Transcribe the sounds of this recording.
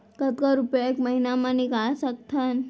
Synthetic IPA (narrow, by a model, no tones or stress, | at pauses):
kət̪kɔɾupjaekməɦinamãniɡaɭsək̚t̪ʰən